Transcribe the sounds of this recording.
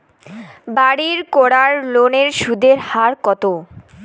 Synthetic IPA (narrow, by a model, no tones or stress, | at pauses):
baɽiɾkoɽaɾloneɾʃud̪eɾhaɾkɔt̪o